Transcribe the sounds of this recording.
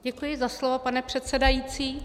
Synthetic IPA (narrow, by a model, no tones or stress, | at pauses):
ɟɛkujɪzaslovapanɛpr̝̥ɛt̪sɛdajiːt͡siː